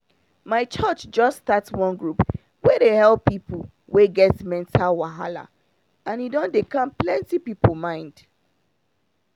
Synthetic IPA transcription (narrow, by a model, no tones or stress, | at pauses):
maɪt͡ʃɔt͡ʃd͡ʒɔstatswɔ̃nɡɹup | wedehɛlˠpːipu | weɡɛtmɛ̃ntʰalwaɦala̰ | ãnidɔ̃ndekãmplɛ̃ntipipol̩mãɪ̃nd̥